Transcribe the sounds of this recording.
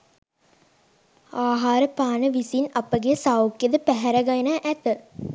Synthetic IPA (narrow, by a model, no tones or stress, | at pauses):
aːɦaːɾəpaːnəʋisinɐpəɡesawkjed̪əpæɦɛɾɐɡɐjnaʔæt̪ə